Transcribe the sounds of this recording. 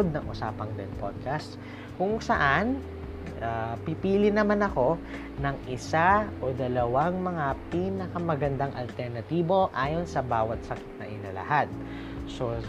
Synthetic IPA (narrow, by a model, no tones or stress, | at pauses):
d̪̚nɐŋʔʊsa̰ːpɐŋd̪ɛnpod̪̚kɐst̪ | kʊŋsɐʔan | ʔapipiːlɪnɐmanɐko̞ | nɐŋʔɪsaʔod̪ɐlɐwaŋmɐŋapiːnɐkɐmɐɡɐnd̪aŋʔɐ̰lt̪ɛɾnɐt̪iːbo̞ʔaːjo̞nsɐbaːwɐt̪̚sɐki̥t̪̚nɐ̰ʔɪnɐ̰lɐ̰had̪̚ | so